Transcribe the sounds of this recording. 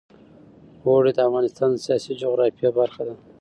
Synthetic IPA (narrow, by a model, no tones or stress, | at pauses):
ɣoɽed̪əafɣɑnɪst̪ɑnd̪əsijɑsid͡ʒoɣɾɑfijabaɾxad̪a